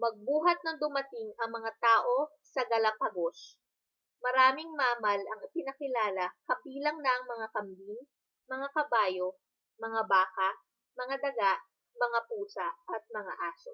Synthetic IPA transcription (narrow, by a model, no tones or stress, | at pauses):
mɐɡ̚buːɦɐt̪̚nɐŋd̪ʊmɐt̪ɪŋɐŋmɐŋat̪aːʔo̞ | sɐɡɐlɐpɐɡos | mɐɾaːmɪŋmaːmɐlɐŋɪpɪnɐkɪlaːlɐkɐbiːlɐŋnɐʔɐŋmɐŋakɐmbin | mɐŋakɐbaːjo | mɐŋabaːkɐ | mɐŋad̪ɐɡaʔ | mɐŋapuːsɐʔʔɐt̪̚mɐŋa̰ʔaːso̰